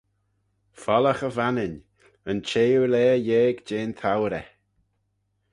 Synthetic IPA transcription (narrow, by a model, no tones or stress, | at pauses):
fɔləxəvanɪn | ənt͡ʃʰeːulɛːjeːɡd͡ʒeːnt̪ʰawɾɛ